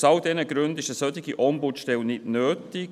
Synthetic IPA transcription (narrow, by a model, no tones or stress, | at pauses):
sɑld̥ɛnəɡɾʉndɪʃəsœtɪɡiʔɔmbutʃtɛlnɪtnøːtɪk